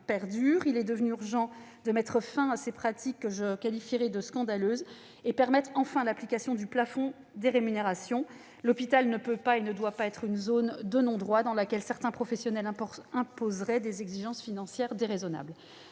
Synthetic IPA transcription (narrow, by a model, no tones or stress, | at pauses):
pɛʁd̪yʁilɛd̪əvnyyʁʒɑ̃ | d̪əmɛt̪χəfɛ̃asepχat̪ikːəʒəkalifiʁɛd̪əskɑ̃d̪aløz | epɛʁmɛt̪χɑ̃fɛ̃laplikasjɔ̃d̪yplafɔ̃ | d̪eʁemyneʁasjɔ̃ | lɔpit̪alnəpøpaenəd̪wapaɛt̪χynzond̪ənɔ̃d̪ʁwad̪ɑ̃lakʲɛlsɛʁt̪ɛ̃pχɔfɛsjɔnɛlɛ̃ɛ̃pozʁɛd̪ezɛɡziʒɑ̃sfinɑ̃sjɛʁd̪eʁezɔna̰bl